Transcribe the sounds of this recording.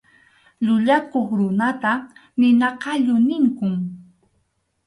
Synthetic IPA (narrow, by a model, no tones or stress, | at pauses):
ʎʊʎakoχɾʊnat̪anɪnɑqɑʎʊnɪŋkʊŋ